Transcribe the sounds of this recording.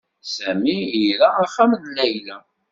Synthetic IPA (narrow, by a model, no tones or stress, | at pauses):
sæmiiɾaaχːæmnlæjlæ